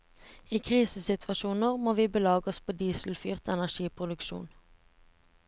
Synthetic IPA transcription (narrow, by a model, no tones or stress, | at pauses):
iːkʰʁiːsəsɪt̪ʰʋɑʃuːnəʁmoːʋiːbəlɑːɡɔspʰoːd̪iːsl̩fyːʁt̪ɛnæʃiːpʰʁʊd̪ʉkʃṵːn